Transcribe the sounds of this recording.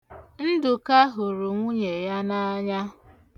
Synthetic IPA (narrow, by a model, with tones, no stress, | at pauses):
n̩˦dʊ˨ka˦ɦʊ˨ɾʊ˨ŋʷu˦ɲe˨ja˦na˦a˦ɲa˦